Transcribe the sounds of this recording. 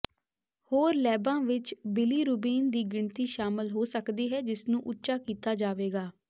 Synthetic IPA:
hoːɾlɛːbãːʋɪt͡ʃbɪliːɾuːbiːnd̪iːɡɪɳt̪iːʃaːmɪlɦoːsəkd̪iːɦɛːd͡ʒɪsnũːʔʊtːʃaːkiːt̪aːd͡ʒaːʋeːɡaː

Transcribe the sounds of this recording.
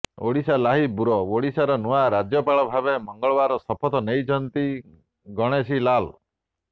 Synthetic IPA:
o̰ɽisalaɦibuɾɔoɽisaɾɔnuaɾad͡ʒjɔpaɭɔbʱabemɔŋɡɔɭɔbaɾɔsɔpʰɔt̪ɔnejt͡ʃʰɔnt̪i | ɡɔɽ̃esilalɔ

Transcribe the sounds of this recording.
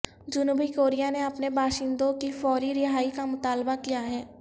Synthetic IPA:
d͡ʒʊnuːbikoːɾijaneɐpnebaːʃɪ̃nd̪õkifɔːɾiɾɪɦaːikamʊt̪aːlbakijaɦɛː

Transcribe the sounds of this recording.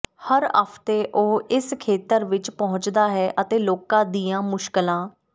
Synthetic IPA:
həɾə̰pʰt̪eːʔoːɪskʰeːt̪əɾʋɪt͡ʃpəɦʊ̃t͡ʃd̪aːɦɛːʔət̪eːloːkãːd̪iːjãːmʊʃkɪlãː

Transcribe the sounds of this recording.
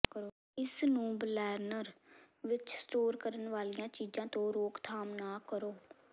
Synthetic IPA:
kəɾoː | ɪsnũːblɛːɾnəɾ | ʋɪt͡ʃsʈoːɾkəɾənʋaːlijãːt͡ʃiːd͡ʒãːt̪õːɾoːkt̪ʰaːmnaːkəɾoː

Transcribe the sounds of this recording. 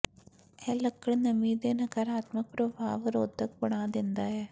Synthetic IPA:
ɛlːɐkːɐɭnɐmiːd̪eːnɐkɐɾaːt̪mɐk̚pɾobʱa̰ːʋɐɾoːd̪ʱːɐk̚pɐɳaːd̪ind̪aje

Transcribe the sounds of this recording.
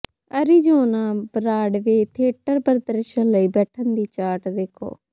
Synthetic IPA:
əɾiːd͡ʒoːnãːbɾaːɖʋeːt̪ʰeːʈəɾbəɾd̪əɾʃənləiːbɛːʈʰənd̪iːt͡ʃaːʈd̪eːkʰo̰ː

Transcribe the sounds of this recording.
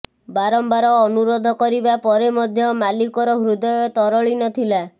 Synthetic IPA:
baɾɔmbaɾɔːnuɾɔd̪ʱɔkɔɾibapɔɾemɔd̪ʱjɔmalikɔɾɔɦɾud̪ɔjɔt̪ɔɾɔɭinɔt̪ʰila

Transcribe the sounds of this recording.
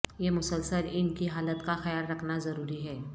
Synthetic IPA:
jemʊsəlsəlɪnkiɦaːlət̪kaxɐjaːlɾɐkʰnazɐɾuːɾiɦɛː

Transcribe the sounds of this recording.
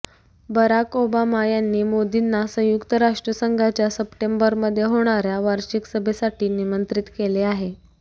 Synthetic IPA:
bəɾakobamajanːiːmod̪inːasə̃jukt̪əɾaʂʈɾəsəŋɡʱat͡ɕjasəpʈembəɾməd̪ʱːjeɦoɽ̃aɾjaʋaɾɕiksəbʱesaʈiːnimənt̪ɾit̪keleaɦe

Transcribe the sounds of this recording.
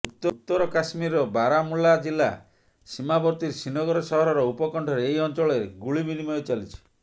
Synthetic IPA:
ut̪ːɔt̪ːɔɾɔkasmiɾɔbaɾamulad͡ʒilːa̰ | simabɔɾt̪iɾsinɔɡɔɾɔsɔɦɔɾɔɾɔupɔkɔɳʈʰɔɾeeiɔnt͡ʃɔɭeɾeɡuɭibinimɔet͡ʃalit͡ʃʰi̥

